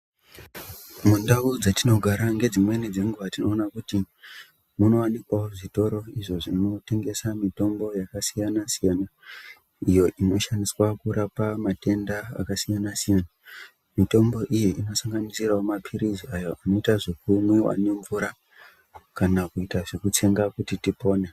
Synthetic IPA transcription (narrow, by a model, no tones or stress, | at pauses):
mundaud͡zatino̞ɡʱaɾaŋɡe̞d͡zimwe̞nid͡ze̞ŋɡuʋatino̞ːnakuti | muno̞wanikwaoʐito̞ɾo̞iʐo̞ʐino̞te̞ŋɡe̞samito̞mbo̞jakasijanasijaːna | ijo̞ʔino̞ʃaniswakurapamate̞nda̰ːkasijanasijaːna | mito̞mbo̞ʔijeʔino̞saŋɡanisiraomapʰiɾiziajo̞ʔano̞itaʐikumwiwa̰ne̞ɱvuɾa | kanakuitaʐekut͡ʃe̞ŋɡakutitipo̞ːne